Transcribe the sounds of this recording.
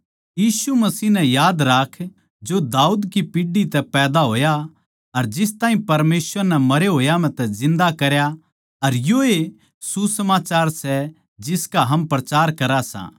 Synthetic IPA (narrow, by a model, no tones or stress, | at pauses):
jiːsumɐsiːɦnɛ̃jaːd̪ɾaːkʰ | d͡ʒod̪aːuːd̪kipiɖit̪ɛpɛːd̪aɦoːja | ɐɾd͡ʒɪst̪aːɦĩpɐɾmeːsʋəɾnɛmɐɾeɦoːjam̤ɛ̃t̪ɛzɪ̃nd̪akɐɾja | ɐɾjoe | susɐmaːt͡ʃaːɾsɛ | d͡ʒɪskaɦɐmpɾɐt͡ʃaːɾkɐɾasã̰ː